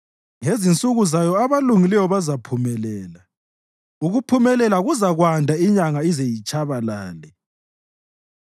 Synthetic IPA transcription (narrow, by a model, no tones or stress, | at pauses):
ŋezint͡sʼuɣuzajɔaβaluŋilɛwɔβazapʰumɛlɛːla | uɣupʰumɛlɛlaɣuzaɣwandʱaiɲaŋaizejit͡ʃʼaβalaːlɛ